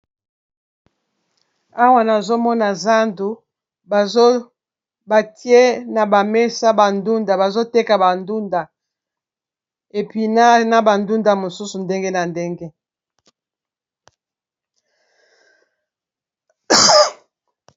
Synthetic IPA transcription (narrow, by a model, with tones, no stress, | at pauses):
a˦wa˨na˨zo˦mɔ˦na˨za˦ndu˨ | ba˨zo˦ | ba˨ti˦e˦na˨ba˨mɛ˦sa˦ba˨ndu˦nda˨ba˨zo˦tɛ˦ka˨ba˨ndu˦nda˨ | e˨pi˦na˦na˦ba˨ndu˦nda˨mo˨su˦su˨nde˦ŋɡe˦na˨nde˦ŋɡe˦